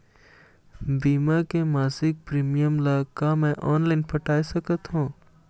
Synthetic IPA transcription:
biːmakemaːsɪk̚pɾiːmijəmlaːkamɛ̃ʔɔːnlaːɪnpʰəʈaːisəkət̪ɦũː

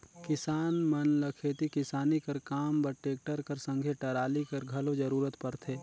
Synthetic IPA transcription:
kɪsaːnmɐnləkʰeːt̪ikɪsaːnikɐɾkaːmbɐʈeːk̚ʈəɾkɐɾsə̃ŋɡʱeʈɐɾaːlikɐɾɡʱɐlod͡ʒəɾuːɾət̪pɐɾt̪ʰeː

